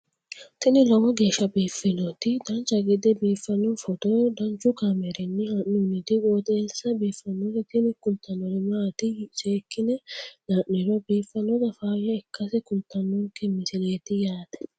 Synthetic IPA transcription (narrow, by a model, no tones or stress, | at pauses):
t̪ɪnɪlɔwɔɡe̞ːʃːɐbiːfːɪnɔt̪ɪd̪ɐnt͡ʃːɐɡɪd̪ɛbiːfːɐnɔfɔt̪ɔd̪ɐnt͡ʃːʊkamɛɾɛnːɪhɐnːunɪt̪ɪɡoːt̪eːlsɐbiːfːɐnːɔd̪ɛt̪ɪnɪkʊlt̪ʰːɐnɔnɛmaːt̪ɪseːkːɪnɛnaːʔnːɛɾɔbiːfːɐnɔzɐfaːjɛɛkːɐsɛkʊlt̪ːɐnːɔŋkːɛmɪsɪleːt̪ɪjaːt̪ɛ̥